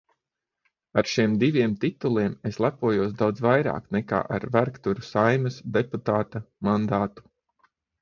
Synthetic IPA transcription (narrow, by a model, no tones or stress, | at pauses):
aɾʃiɛmd̪ivʲiɛmt̪it̪ulˠiɛmeslˠæpuɔjuɔsd̪awd̪zvajɾa̰ːknɛka̰ːʔaɾvæɾkt̪uɾusajmɐsd̪eput̪aːt̪amand̪aːt̪u̥